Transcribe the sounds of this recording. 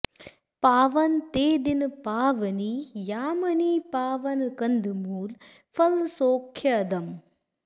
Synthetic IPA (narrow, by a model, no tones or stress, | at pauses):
paːʋɐnt̪eːd̪inɨpaːʋɐnijaːmɐniːpaːʋɐnɨkɐnd̪ɨmuːl | fɐlsoːkʰjɐd̪ɐm